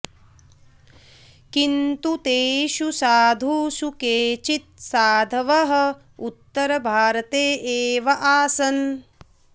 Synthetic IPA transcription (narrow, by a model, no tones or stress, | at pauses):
kint̪ut̪eːʃusaːd̪ʱuːsukeːt͡ʃit̪̚saːd̪ʱɐʋɐɦɐ̆ | ut̪ːɐɾɐbʱaːɾɐt̪eːʔeːʋɐʔaːsɐn